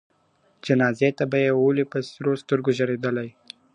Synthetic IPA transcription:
d͡ʒanɑzet̪abajewolipəsɾost̪əɾɡoʒaɾed̪əlaj

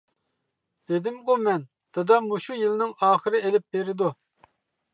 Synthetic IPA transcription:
d̪̥ed̪ɪmqumɛn | d̪̥ɨd̪ɑmuʃujilnɪŋɑːχəɾɨelɪp̚beɾɪd̪u

